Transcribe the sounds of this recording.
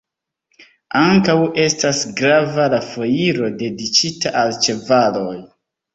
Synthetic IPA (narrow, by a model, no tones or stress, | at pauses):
aŋkawe̞stasɡɾavalafo̞jiɾo̞de̞dit͡ʃitaʔalt͡ʃe̞valo̞j